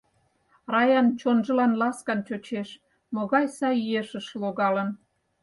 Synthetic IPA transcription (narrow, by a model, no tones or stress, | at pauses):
rɑjɑnt͡ɕonʒə̆lɑnlɑskɑnt͡ɕot͡ɕeʃ | moɣɑjsɑjeʃəʃloɣɑlən